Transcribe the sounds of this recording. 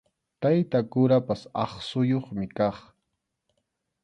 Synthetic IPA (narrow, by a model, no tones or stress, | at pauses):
t̪ajt̪akʊɾapasɑ̰χsʊjoχmɪkɑχ